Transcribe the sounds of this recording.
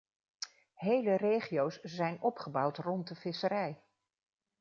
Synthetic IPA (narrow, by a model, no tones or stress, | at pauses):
ɦejlərejχiowsz̥ɛjnɔpχəbɑwtrɔnt̚dəvɪsəɾɛj